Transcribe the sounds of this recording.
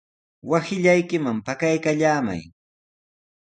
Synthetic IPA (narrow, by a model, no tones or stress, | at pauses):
wasɪʎajkɪmampakajkaʎaːma̰j